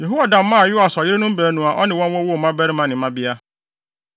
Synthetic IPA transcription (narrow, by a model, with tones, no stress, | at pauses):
je˨ɦu˦wa˨da˨m̩˦mã˦˨jʊ˦a˨sɔ˨jɪ˦ɾe˦nʊ̃˦m̩˦bɛː˨nũ˨a˨ʔɔ˦nɪ̃˨wɔ̃˦nwɔ̃˦wo˦˨mã˦bɛ˦ɾɪ˦mã˨nɪ̃˨˦mã˦bɪ˦a˦